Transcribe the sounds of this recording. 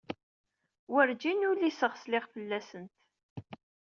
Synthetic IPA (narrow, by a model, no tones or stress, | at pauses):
wəɾd͡ʒinʊlisəʁslɪʁfəlːæsənt̪